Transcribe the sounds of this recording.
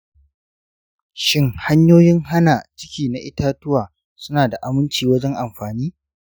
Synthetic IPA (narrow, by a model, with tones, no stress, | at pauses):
ʃɪ˦ŋha˦ɲjoː˦jɪ˦ŋɦa˦naː˨t͡ʃɪ̥˦kʲiː˨na˨ʔɪ˦taː˦tʊ˦waː˨ | sʊ˦naː˨da˨ʔa˨mʊ˦nt͡ʃiː˨wɐ˦d͡ʒɛ˦ŋʔa˨mɸaː˨niː˦